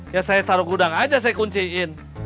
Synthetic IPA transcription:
jasajasaɾukudaŋad͡ʒas̬ajakuɲt͡ʃiɪn

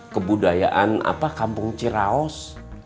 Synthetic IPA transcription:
kəbudaja̰ʔana̰pakampʊŋt͡ʃiɾaɔs

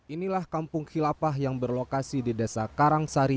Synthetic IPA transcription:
ʔinilahkampʊŋhilapaɦjaŋbərlokasididasakaɾaŋsaɾi

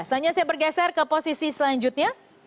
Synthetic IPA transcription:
səaɲasajabərɡɛsɛrkəposisisəlaɲd͡ʒut̪̚ɲa

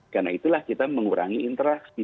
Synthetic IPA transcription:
karnait̪ulahkit̪aməŋuɾa̰ŋiːnt̪əɾasbi

